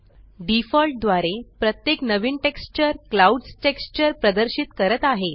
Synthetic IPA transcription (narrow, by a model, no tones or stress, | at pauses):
ɖifɔlʈ̚d̪ʋaɾepɾət̪jeknəʋiːnʈekst͡ɕəɾklauɖsʈekst͡ɕəɾpɾəd̪əɾɕiːt̪kəɾət̪aɦe